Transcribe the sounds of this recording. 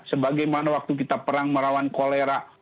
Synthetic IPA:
səbaɡajmanawak̚t̪uk̬it̪apəɾaŋməɾawankoleɾa

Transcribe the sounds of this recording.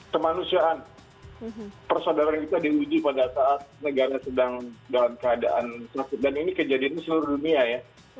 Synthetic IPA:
kəmanusiaʔan | pərsodaɾankit̪adiud͡ʒupadasaʔːt̪̚nəɡaɾasədaŋdalamkəada̰ʔa̰nsafɪt̪̚daninikəd͡ʒadiansəluɾʊduniaja

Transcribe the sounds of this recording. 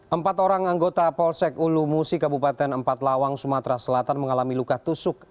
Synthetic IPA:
ʔəmpat̪oɾaŋaŋɡot̪apɔlsɛkulumusɪkabupat̪ɛnəmpat̪lawaŋsumat̪ɾasəlat̪anməŋalamilukaht̪usʊk̚

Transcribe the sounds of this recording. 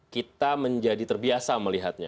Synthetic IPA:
kit̪aməɲd͡ʒadit̪ərbiasaməliɦat̪̚ɲa̰

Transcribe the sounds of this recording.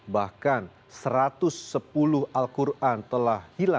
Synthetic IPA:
bahkan | səɾat̪ʊsːəpulʊhʔalkurʔant̪əlahhila

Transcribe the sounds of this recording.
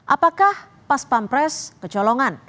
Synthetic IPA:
ʔapakah | paspampɾɛskəd͡ʒɔlɔŋan

